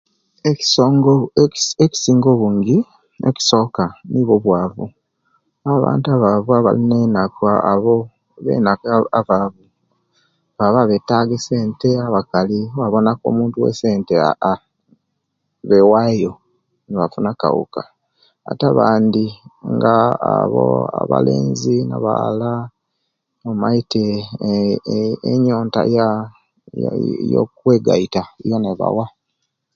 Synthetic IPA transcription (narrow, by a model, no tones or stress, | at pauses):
ei̥soŋɡoeki̥siːŋɡoβuːŋɡi | ḛki̥so̞kaniβo̞βwaːβṵ | aβa̰ːntaβaβuaβa̰linenakaa̰βo | βḛnakaβaβu | βaβaβetaɡeseːnte̞aβakaliwaβo̞nako̰ːmuːntuwḛseːntea̰ | βewajo̞ | neβafunaka̰wṵka | a̰taβaːndiŋɡaːβo̰a̰βa̰lḛːnzina̰βa̰la | omaite | eɲo̞ːnta̰ja | jo̰k̚we̞ːɡa̰itaijoneβa̰wa